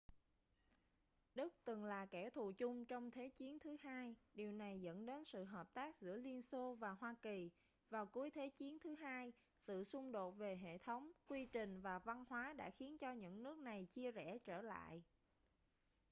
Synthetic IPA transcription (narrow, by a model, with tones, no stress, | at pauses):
ɗɨ˦˥k̚t̪ɨ˨˩ŋlaː˨˩kɛ˧˩t̪ʰṵ˧˨t͡ɕʊ˧ŋ͡mt͡ɕɔ˧wŋ͡mt̪ʰe˨˦t͡ɕi˨˦ənt̪ʰɨ˨˦ɦaː˧jɗi˨˩əwna˨˩jzə̰˧˥nɗe˨˦nsɨ̰˧˨ɦəː˨˩p̚t̪aː˦˥k̚zɨ̰˧˩əli˧ənso˧vaː˨˩ɦwaː˧ki˨˩ | vaː˨˩wku˨˦əjt̪ʰe˨˦t͡ɕi˨˦ənt̪ʰɨ˨˦ɦaː˧j | sɨ̰˧˨sʊ˧ŋ͡mɗo˨˩t̚ve˨˩ɦḛ˧˨t̪ʰə˨˦wŋ͡mkwi˧t͡ɕï˨˩ŋ̟vaː˨˩va˧nhwaː˨˦ɗa̰ː˧˥xi˨˦ənt͡ɕɔ˧ɲɨ̰˧˥ŋnɨ˦˥ək̚na˨˩jt͡ɕi˧əzɛ˧˩t͡ɕəː˧˩la̰ː˧˨jʔ